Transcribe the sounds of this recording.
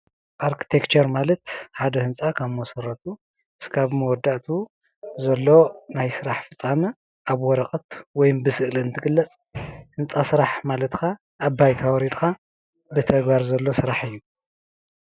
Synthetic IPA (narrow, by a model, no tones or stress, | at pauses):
ʔaɾkʰi̥t̪ʰekt͡ʃʰɐɾmalɐt̪ħad̪ɐhɨnt͡sʼakʰaβmɐsɐɾːɐt̪ʰu | ɨskʰaβmɐwɔd̪ːaʔt̪ʰu | zɐlːo̞najsɨɾaħfɨt͡sʼːanɐ | ʔaβwɔɾɐqʼɐt̪wɔjmbɨsɨʔliɨnt̪ʰɨɡɨlːɐt͡sʼ | hɨnt͡sʼasɨɾaħmalɐt̪kʰa | ʔːbːajt̪ʰawɔɾid̪kʰa | bɨt̪ʰɐɡbaɾzɐlːo̞sɨɾaħɨjːu